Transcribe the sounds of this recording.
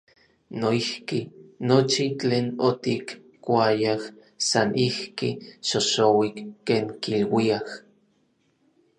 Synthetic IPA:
noihkinot͡ʃit͡ɬeːnot̪ik | kʷajah | sanʔihkiʃoʃowikːeːŋkilwiah

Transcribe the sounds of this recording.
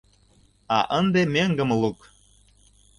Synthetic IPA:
ɑʔə̆nd̪emʲeŋɡə̆mlˠuk

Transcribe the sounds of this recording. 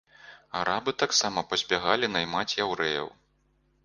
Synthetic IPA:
aɾabɨt̪aksamɐpɐzʲbʲaɣalʲinɐjmat͡sʲjawɾɛjɐ̰w

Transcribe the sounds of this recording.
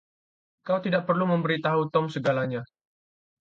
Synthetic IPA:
kawt̪idaʔpərlumə̃mbəɾit̪aɦut̪ɔmsəɡalaɲa

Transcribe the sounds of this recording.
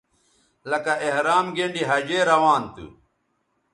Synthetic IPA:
lɐkɐʔehɾaːmɡeɳɖiɦɐd͡ʑeːɾɐwaːnt̪ṵ

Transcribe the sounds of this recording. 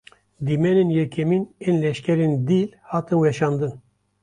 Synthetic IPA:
d̪imɛnenjɛkʰɛmiːneːnlɛʃkʲɛɾend̪iːlhɑːt̪ɨnwɛʃɑːnd̪ɨn

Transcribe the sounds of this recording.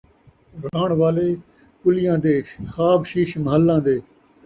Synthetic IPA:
ɾaːɳʋaːleː | kʊlɪjãːd̪eːxaːbʃiːʃməɦəlːãːd̪eː

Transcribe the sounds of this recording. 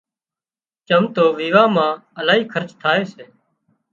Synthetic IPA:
t͡ʃəmt̪oːʋiːʋaːmãːəlaːɦiːkʰəɾt͡ʃt̪ʰaːeːseː

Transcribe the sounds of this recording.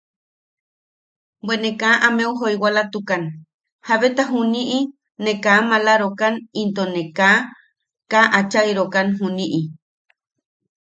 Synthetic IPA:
bwenekaʔameuɦojwalat̪ukan | haβet̪aɦuniʔi | nekaːmalaɾokanint̪oneka | kaʔat͡ʃaiɾokanɦuniʔi

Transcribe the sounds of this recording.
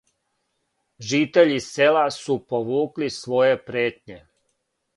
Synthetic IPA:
ʒiːt̪eʎiselasupo̞ʋuːklisʋo̞je̞pɾeːt̪ɲe̞

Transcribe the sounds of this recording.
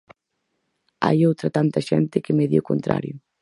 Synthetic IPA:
a̰jowt̪ɾɐt̪ant̪ɐʃɛnt̪ɪkɪmeðjʊko̰nt̪ɾa̰ɾjʊ

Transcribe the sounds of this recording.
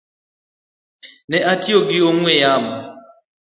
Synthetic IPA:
nɛʔatioɡɪoŋwɛjamba

